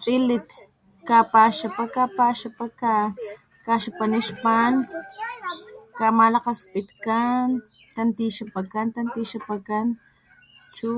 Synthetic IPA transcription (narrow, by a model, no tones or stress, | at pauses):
t͡sʼilit̪ | kapaʃapakapaʃapaka | kaʃapaniʃpan | kamalaqaspit̪kan | t̪ant̪iʃapakant̪ant̪iʃapakan | t͡ʃu